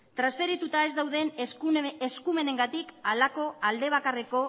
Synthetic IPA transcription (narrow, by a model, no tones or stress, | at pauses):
t̪ɾasfe̞ɾit̪ut̪ae̞zd̪awð̞e̞n | eskume̞ne̞ŋɡat̪ikalako̞ald̪e̞β̞akare̞ko̞